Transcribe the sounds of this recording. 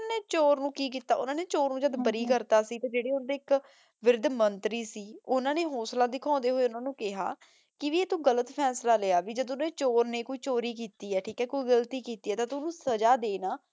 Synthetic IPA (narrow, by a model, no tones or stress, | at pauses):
neːt͡ʃoːɾnũːkiːk̬iːt̪aːʔʊ̰nãːneːt͡ʃoːɾnũːd͡ʒəd̪bəɾiːkəɾt̪aːsiːt̪eːd͡ʒeːɽeːʊnːd̪eːɪk | ʋɪɾd̪mənt̪ɾiːsiːʊnãːneːɦoːslãːd̪ɪkʰãːnd̪eːɦoːeːʊnãːnũːkɪɦa̰ː | kɪʋiːeːt̪uːɡələt̪pʰɛːslaːleaːʋiːd͡ʒəd̪ʊnaːeːt͡ʃoːɾneːkoːiːt͡ʃoːɾiːkiːt̪iːɛːʈʰiːkɛːkoːiːɡəlt̪iːkiːt̪iːɛːt̪ãːt̪ʊnũːsəd͡ʒaːd̪eːnaː